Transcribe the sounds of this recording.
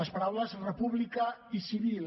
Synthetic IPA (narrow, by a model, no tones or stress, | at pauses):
əspaɾawləzrəpuβlikəisiβil